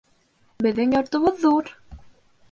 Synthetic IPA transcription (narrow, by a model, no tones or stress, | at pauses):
bɘ̆ðːɘŋjɒɾt̪ŏβɤðːuɾ